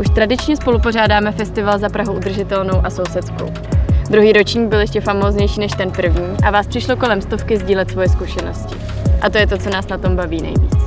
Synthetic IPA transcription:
ʔuʃt̪ɾadɪt͡ʃɲɛspo̞lupo̞r̝aːdaːmɛfɛst̪ɪvalzapɾaɦuʔud̪r̩ʒɪt̪ɛlno̞wʔaso̞wsɛt̪t͡sko̰w | d̪ɾuɦiːɾo̞t͡ʃɲiːɡ̚bɪljɛʃcɛfamoːzɲɛjʃiːnɛʃt̪ɛnpr̩vɲiːʔavaːspr̥ɪʃlo̞ko̞lɛmst̪o̞fkɪzɟiːlɛt̪svo̞jɛskuʃɛno̞̰scɪ | ʔat̪o̞jɛt̪o̞t͡so̞naːsnat̪o̞mbaviːnɛ̰jvḭːt͡s

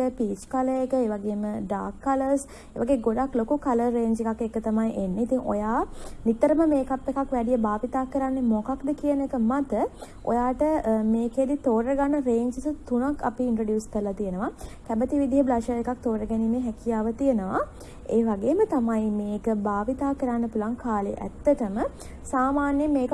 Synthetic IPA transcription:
əpiːt͡ʃkaləekəeːʋaɡeːməɖaːkːaləɾs | eːʋaɡeːɡoɖaklokukaləːeːɲd͡ʒekakekət̪amajʔenːeit̪iŋʔo̰jaːnit̪əɾəməmeːkapːekakʋɛɖijəbaːʋit̪aːkəɾanːemokakd̪əkiənekəmat̪ə | o̰jaːʈəmeːked̪it̪oːɾəɡanːəɾeːɲd͡ʒisət̪unakʰːa̰piːɳʈɾoɖjuːskəɾəlat̪ijənəʋakæbət̪iʋid̪ʱijəblaʃaekak̚t̪oːɾəɡɛnimeɦɛkijaːʋət̪ijənəʋa̰ | eːʋaɡeːmət̪amajmeːkəbaːʋit̪aːkəɾanːəpulʋaŋkʰaːlḛʔæ̰t̪ːəʈəmə | saːmaːnjəmeːk

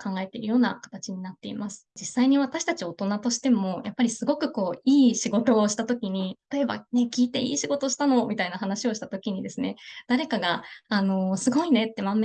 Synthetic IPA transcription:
kãŋɡae̞t̪e̞iɾɯ̟jo̞ːna̰kḁt̪at͡ɕiɲ̟inat̪ːe̞ḭmasɨ̥d͡ʑisːaiɲ̟iβat̪aɕi̥t̪at͡ɕio̞t̪o̞nat̪o̞ɕi̥t̪e̞mo̞japːaɾʲisɨɡo̞kɯ̟ko̞ːiːɕiɡo̞t̪o̞ːɕi̥t̪at̪o̞kʲiɲ̟it̪ḁt̪o̞e̞ba̰ne̞kʲiːt̪e̞ḭːɕiɡo̞t̪o̞ɕi̥t̪ano̞mʲit̪ainaɦanaɕio̞ɕi̥t̪at̪o̞kʲiɲ̟id̪e̞sɨne̞d̪̥aɾe̞kaɡaːno̞sɨɡo̞ine̞t̪ːe̞mam

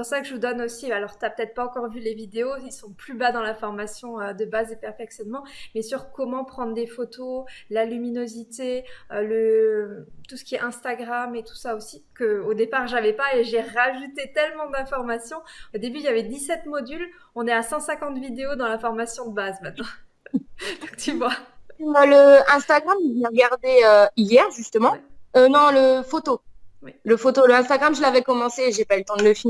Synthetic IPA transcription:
spuʁsakəʒəvud̪ɔnosialɔʁt̪yapə̥t̪ɛt̪χpaɑ̃kɔʁvylevid̪eoilsɔ̃plybad̪ɑ̃lafɔʁmasjɔ̃ød̪əbazepɛʁfɛksjɔnmɑ̃mɛsyʁkɔmɑ̃pχɑ̃d̪ʁd̪efot̪olalyminozit̪eøləmt̪usə̥kʲiɛʔɛ̃st̪aɡʁamet̪u̥saosikəod̪epaʁʒavɛpaeʒeʁaʒut̪et̪ɛlmɑ̃d̪ɛ̃fɔʁmasjɔ̃od̪ebyiljavɛd̪isɛt̪mɔd̪yl | ɔ̃nɛasɑ̃sɛ̃kɑ̃t̪vid̪eod̪ɑ̃lafɔʁmasjɔ̃d̪əbazmɛt̪nɑ̃ | d̪ɔ̃kt̪yvwa | ləɛ̃st̪aɡʁamvjɛ̃ʁəɡaʁd̪eøijɛʁʒyst̪əmɑ̃ønɔ̃ləfot̪owɛləfot̪oləɛ̃st̪aɡʁamʒəlavɛkɔmɑ̃seːʒepaylt̪ɑ̃d̪ələfi

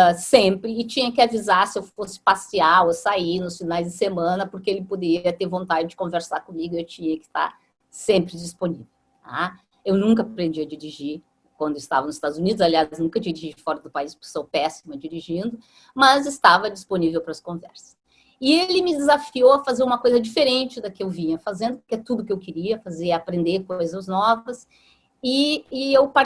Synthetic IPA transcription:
sẽmpɾɪːt͡ʃĩɲɐkɪavizaɾsɪewfosɪ̥pasiawosainʊsfinajzd͡ʒ̪ɪsemɐ̃nɐpoɾkeelɪpod̪eɾiɐt̪eɾvõnt̪ad͡ʒɪd͡ʒɪkõveɾsaɾkõmiɡʊewt͡ʃĩɲɐkɪ̥st̪a̰ɾ | sẽmpɾɪd͡ʒisponivew | a̰ | ewnũŋkɐapɾẽnd͡ʒiɐd͡ʒiɾiʒiɾ | kwɐ̃nd̪ʊɪst̪avɐnʊzɪst̪ad̪ʊzunid̪ʊzaliaznũkɐd͡ʒiɾiʒid͡ʒɪfɔɾɐd̪ʊpaispʊɾkɪ̥sowpɛsimɐd͡ʒiɾiʒĩnd̪ʊ | mɐzɪst̪avɐd͡ʒisponivewpɾɐskõvɛ̰ɾsɐ̥s | ɪelɪmɪd͡ʒ̪ɪzafiowɐfazeɾũmɐkojzɐd͡ʒifeɾẽnt͡ʃɪd̪ɐkɪewvĩɲɐfazẽnd̪ʊpʊɾkɛt̪ud̪ʊkɪewkɪɾiɐfazeɾapɾẽnd̪eɾkojzɐznɔvɐs | ɪɪewpaɾ

